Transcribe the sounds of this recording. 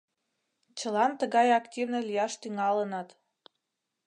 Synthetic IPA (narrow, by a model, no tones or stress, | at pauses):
t͡ɕəlɑnt̪əɣɑjɑktʲivnəlʲijɑʃt̪yŋɑlənɑt̪